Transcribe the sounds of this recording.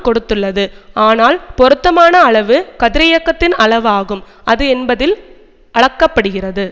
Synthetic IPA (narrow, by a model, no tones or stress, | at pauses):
kɔɽɯt̪ːɯɭːɐðɯaːnaːlpɔɾɯt̪ːɐmaːnɐːɭɐʋɯkɐðɪɾɐjɐkːɐt̪ːɪnɐɭɐʋaːɣɯm | ɐðɯɛnbɐðɪl | ʔɐɭɐkːɐpːɐɽɯɣɪrɐðɯ